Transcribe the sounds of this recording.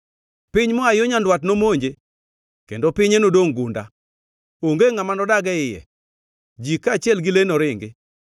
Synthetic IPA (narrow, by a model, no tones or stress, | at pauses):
pɪɲmɔajoɲandwatnomoɲd͡ʒe | kḛndopɪɲenodoŋɡʊnda̰ | oŋɡeŋamanɔdaɡɛɪjɛ̰ | d͡ʒikat͡ʃɪɛlɡɪlenɔɾɪŋɡɪ̰